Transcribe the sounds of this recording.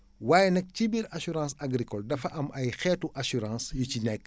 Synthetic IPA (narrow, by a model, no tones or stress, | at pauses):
waːjɛnɐk̚cibiɾɐsuɾãːsɐɡɾikɔldɐfɐʔɐmʔɐjxɛːtuʔɐsuɾãːsjucinɛkː